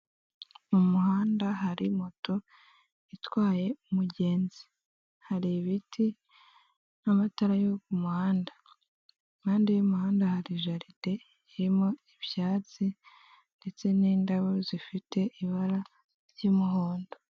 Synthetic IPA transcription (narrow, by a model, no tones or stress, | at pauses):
umuhaːndaɦaɾimoto | itwaːje̞umuɟe̞ːnzi̥ | haɾiβitʰi | namataɾajokumuhaːnda | kaːndijumuhaːndahaɾiʒaɾide̞ | jiɾimo̞iβjaːt͡si | nde̞t͡se̞niːndaβozifite̞iβaɾa | ɾjimuɦoːndo